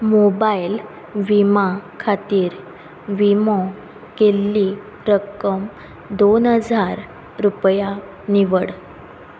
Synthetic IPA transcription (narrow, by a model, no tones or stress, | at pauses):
mobail | ʋimakʰat̪iːɾ | ʋimɔ̃ | kelːi | ɾəkəm | d̪onɦəd͡zaɾ | ɾupja | niʋəɽ